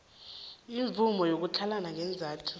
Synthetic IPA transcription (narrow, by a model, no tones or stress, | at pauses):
iɱb̪vumɔjok̬ut͡ɬʰalanaŋʱɛnd͡zʱaːtʰu̥